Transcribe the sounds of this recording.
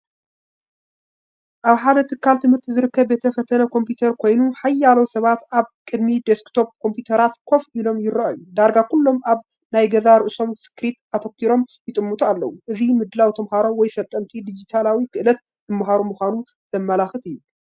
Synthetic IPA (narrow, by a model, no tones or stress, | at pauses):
ʔaβħad̪ɐt̪ʰɨkʰːalt̪ʰɨmhɨɾt̪ʰizɨɾɨkːɐβbe̞t̪ʰɐfɐt̪ʰɐnɐkʰo̞mpjut̪ʰɐɾkʰo̞jnuħajːalowsɐβat̪aβkʼɨd̪mid̪eskt̪ʰo̞p̚kʰo̞mpjut̪ʰɐɾat̪kʰo̞filo̞mjɪɾɐʔajud̪aɾɡakulːo̞maβ | najɡɐzaɾɨʔso̞msɨ̥kɾit̪at̪ʰɐkːiɾo̞mjɪt̪ʼɨmːut̪ʼualːɐ̰wuʔɨzimɨd̪lawt̪ʰɐmhaɾo̞wɔjsɐt̪ʼːɐnt̪ʰid̪id͡ʒit̪ʰalawikʰɨʔɨlɐt̪ | dɨmːɦaɾomuxʷanu | z̥ɐmːɐlaxɨt̪ɨjːu